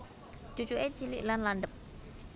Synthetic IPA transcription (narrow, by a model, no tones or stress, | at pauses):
d͡ʒ̥ut͡ʃuʔe̥t͡ʃilḭʔlanlanɖəp̚